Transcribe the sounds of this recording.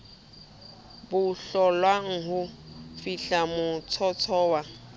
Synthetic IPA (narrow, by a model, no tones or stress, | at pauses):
bʊɬɔlwaŋ̩ɦʊfiɬamʊt͡sʰɔt͡sʰɔːwa